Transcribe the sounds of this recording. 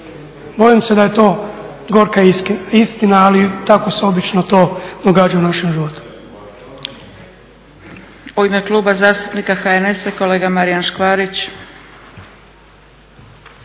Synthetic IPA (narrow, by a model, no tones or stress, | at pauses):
bo̞jimse̞d̪aje̞t̪o̞ː | ɡo̞ɾkaist̪inaːlit̪ako̞seo̞bit͡ʃno̞t̪o̞ːd̪oɡaːd͡ʒaunaʃemʒiʋot̪u̥ | oimeklˠuːbazaːst̪upnikaxaenesako̞le̞ːɡamaɾijanʃkʋaːɾit͡ɕ